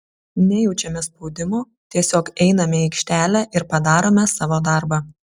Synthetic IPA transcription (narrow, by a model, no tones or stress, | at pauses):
nʲɛjɛʊt͡ʃʲɛmʲɛspɔʊd̪ʲɪmuː | t̪ʲiɛsʲoːkɛɪnɐmʲɛɛɪkʃʲt̪ʲæːlʲɛʔɪɾpɐd̪ɑːɾoːmʲɛsɑːʋoːd̪ɑˑɾbɐ